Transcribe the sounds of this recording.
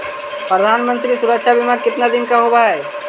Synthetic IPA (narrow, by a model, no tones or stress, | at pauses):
pɾəd̪ʱaːnmə̃nt̪ɾisuɾəkʃabɪmaɡ̚kɪt̪nad̪ɪnkaɦobaɦɛ